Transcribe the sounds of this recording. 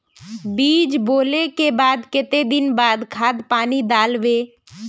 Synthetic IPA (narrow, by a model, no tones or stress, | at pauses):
biːd͡ʒboːlekebaːd̪kɪt̪ed̪ɪnbaːd̪kʰaːd̪paːnid̪aːlʋeː